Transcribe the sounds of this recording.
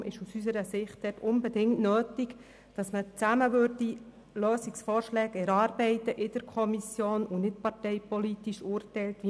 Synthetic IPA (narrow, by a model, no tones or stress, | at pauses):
ɪʃusysəɾəsɪχt̚d̥ɛtʊnbɛdɪŋtnøːtik | d̥ɑsmət͡sæməʋøɾdi | løːsiksfɔːɾʃlɛːkɛɾɑːɾbɛɪtəʔɪd̥əɾkʰɔmisjoːnʊnɪtpɑrtɛɪpɔlitiʃʊːrtɛjltʋi